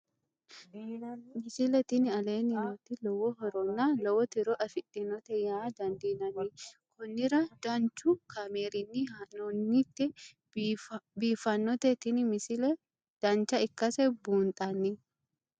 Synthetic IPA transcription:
mɪsɪlɛt̪ɪnɪɐleːnɪmot̪ːɪlɔwɔɦɔɾɔnːalɔwɔt̪ɪɾɔʔɐfɪtʼːɪnɔt̪ɛjaːd̪ɐnd̪iːnɐnɪkʊnːɪɾɐd̪̥ɐnt͡ʃʊkʰɐmeːɾɪnːihɐnɔnːit̪ːɛ | biːfɐnːɔt̪ɛt̪ɪnɪmɪsɪlɛ | d̪̥ɐnt͡ʃɐɪkːɐsɛbuːnt̪ʼɐnːɪ

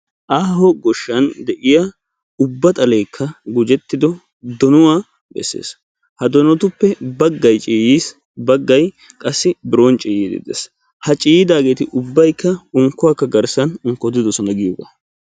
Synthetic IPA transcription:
ʔaːɦɔɡɔʃːɐnd̪ɛʔɪja | ʊbːɐt̪ʼɐleːkʰːɐɡʊd͡ʒɛt̪ːɪd̪ɔ | d̪ɔnʊwaː | bɛ̰sːḛːs | hɐd̪ɔnɔt̪ʊpːɛbɐɡːɐjt͡ʃʼiːjiːs | bɐɡːɐj | kʼɐsːɪbɪɾoːnt͡ʃʼiːjid̪ɪ̰d̪ḛs | hɐt͡ʃʼiːjɪd̪aːɡe̞ːt̪ɪʔʊbːɐjkːɐʊŋkːʊwakːɐɡɐɾsɐnʊŋkːɔd̪ɪd̪ɔsɔnɐɡɪjoɡɐ̰

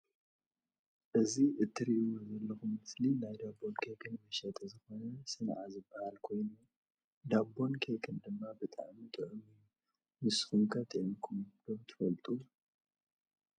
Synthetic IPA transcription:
ʔɨziʔɨt̪ʰːɨɾiʔzɐlːɐxumɨslinajd̪abo̞nkʰekʰɨnmɐʃɐt̪ʼɐzɨxo̞nɐsɨnʕazɨbːahalkʰo̞jnu | d̪abːo̞nkʰekʰɨnd̪ɨmːabɨt̪ʼa̰ʕmit̪ʼɨʕɨmij | mɨsxumkʰɐt̪ʰʼiʔnkʰumd̪̥omt̪ʰɨ̥fɐlt̪ʼu

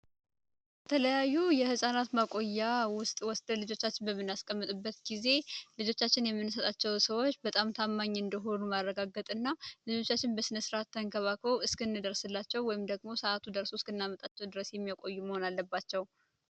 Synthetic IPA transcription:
bət̪ʰələjajːujɛhɨsʼanat̪makʼo̞jːawʊst̪ʼwɔsd̪əlɨd͡ʒo̞t͡ʃːat͡ʃːɪnbəmːɨnːaskʼəmːɨt̪ʼɨbːət̪ɡize̞lɨd͡ʒo̞t͡ʃːat͡ʃːɪnjɛmːɨnːɨsət̪ʼat͡ʃːɛwsəwo̞t͡ʃːbət̪ʼamt̪ʰamːaɲːɨnd̪əɦo̞numarːəɡaɡət̪ʼɨnːalɨd͡ʒo̞t͡ʃːat͡ʃːɪnbəsɨnəsɨɾat̪ʰːəŋkʰəβakʰəwɨskɨnːɨd̪əɾsɨlːat͡ʃːɛwːɔjɪmd̪əɡmo̞səʔat̪ʰud̪əɾsoskɨnːamət̪ʼat͡ʃːɛwd̪ɨɾəsjɛmːijakʼo̞jːuməho̞nalːəbːat͡ʃːɛw

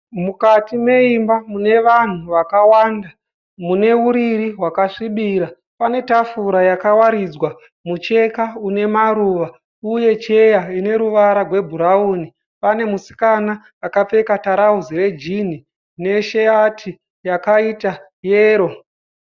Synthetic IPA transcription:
mukatime̞imbamune̞ʋan̤uʋakawaːnda | mune̞uɾiɾiɦwakaʂiɓiɾa | pane̞tafuɾajakawaɾid͡zwa | mut͡ʃe̞kaune̞maɾuʋa | uje̞t͡ʃe̞jaine̞ɾuʋaɾarwe̞bʱuɾauːni | pane̞musi̥kanaː | kap͡fe̞kataɾauzire̞d͡ʒin̤i | ne̞ʃeatʰi | jakaita | jeːɾo̞

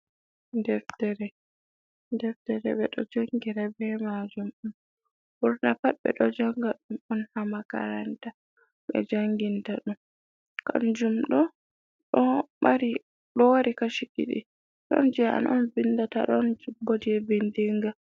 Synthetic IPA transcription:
ndɛɾtɛɾɛ | ndɛftɛɾɛɓɛɗɔd͡ʒoŋɡiɾabɛmad͡ʒumɗun | buɾnapaɓɛ̰ɗɔd͡ʒaŋɡaɗumɔnhamaka̰ɾanta | ɓɛ̰d͡ʒaŋɡintaɗum | ka̰nd͡ʒumɗɔ | ɗɔmaɾi | ɗɔwaɾikaʃikḭɗḭ | ɗɔ̰nd͡ʒɛa̰nʔɔnvindata̰ɗɔnd͡ʒibodiɛbindiŋɡa

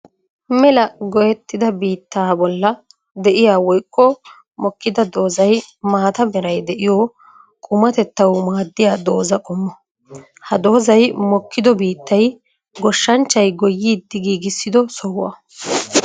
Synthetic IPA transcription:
mɛlɐɡɔjɛt̪ːɪd̪ɐbiːt̪ːaːbɔlːɐ | d̪ɛʔɪjaːwɔjkːɔ | mɔkːɪd̪ɐd̪o̞ːzɐjmaːt̪ɐbɛɾɐjd̪ɛʔɪjɔː | kʼʊmɐt̪ɛt̪ːɐwmaːd̪ːɪjaːd̪o̞ːzɐkʼɔmːɔ | hɐd̪o̞ːzɐjmɔkːɪd̪ɔbiːt̪ːɐj | ɡɔʃːɐnt͡ʃːɐjɡɔjːiːd̪ːɪɡiːɡɪsːɪd̪ɔsɔwɐ̰

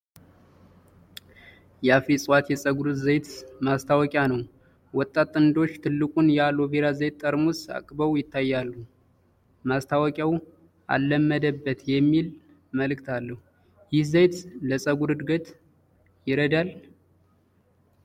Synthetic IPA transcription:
jɛafisʼwat̪jɛsʼəɡuɾɨd̪zəjt̪mast̪ʰawɔkʼjanəw | wɔt̪ʼːat̪ʼːɨnd̪o̞t͡ʃːt̪ʰɨlːɨkʼunjɛalo̞beɾazəjt̪ʼːəɾmusa̰kʼbəwjɪt̪ʰːajːalːu | mast̪ʰawɔkʼjaw | ʔa̰lːəmːəd̪əbːət̪jɛmːil | məlɨkt̪ʰalːəhu | jɪhzəjt̪ləsʼəɡuɾɨd̪ɡət̪ | jɪɾəd̪al

